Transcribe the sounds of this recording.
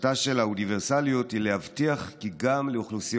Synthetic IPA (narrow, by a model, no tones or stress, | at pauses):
taʃelauniveʁsaliothilehavtiaχkiɡamleuχlusij